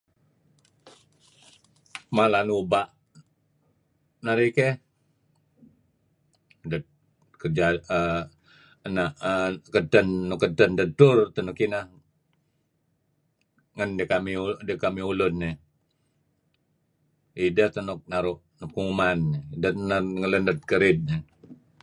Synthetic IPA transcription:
malanubaʔ | naɾike | də | kərd͡ʒaə | ənaʔəkətənːukətəndətʊrt̪ənukinah | ŋəndəkamiudəkamiulʊnːe | idət̪ənuk̚naɾʊʔnukumandənəŋələndət̪̚kəɾɪt̪̚ne

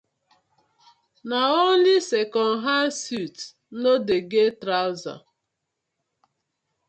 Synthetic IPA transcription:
naolisekɔn̩ɦasut | nodeɡetɾaʊza̰

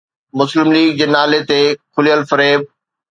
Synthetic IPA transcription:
mʊslɪmliːɡ̚d͡ʑeːnaːlet̪eːkʰʊlijəlfɐɾeːb̚

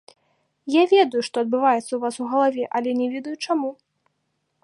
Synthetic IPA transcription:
javʲɛd̪ɐjuʂt̪ɔɐd̪̚bɨvajɛt̪sːɐuvasuɣɐlˠavʲɛʔɐlʲɛnʲɛvʲɛd̪ɐjut͡ʂamu

